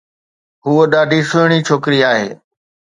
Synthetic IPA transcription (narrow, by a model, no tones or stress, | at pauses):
ɦuoɗaːɖʱisʊɦɽ̃it͡ʃʰoːkɾiːaːɦḛː